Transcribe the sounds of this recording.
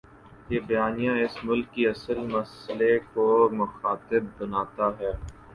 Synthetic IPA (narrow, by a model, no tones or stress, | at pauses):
jeːbɐjaːnijãɪsmʊlkːiɐsəlmɐsəlekomʊxaːt̪ɪb̚ːɐnaːt̪aɦɛː